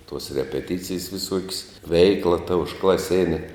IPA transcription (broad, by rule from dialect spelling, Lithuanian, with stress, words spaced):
tuɔs rʲɛpʲɛˈtʲɪt͡sʲɪjs ʋʲɪˈsuɔkʲsʲ ˈʋʲɛɪklˠɐ tɐ ʊʃklˠɐˈsʲeːnʲɛ